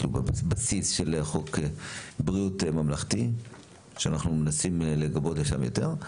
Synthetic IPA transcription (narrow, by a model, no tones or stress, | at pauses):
lubabasisʃeleχokebʁijutmamlaχti | ʃeanaχnumenasimleɡabo̞tleʃa̰mjo̰teʁ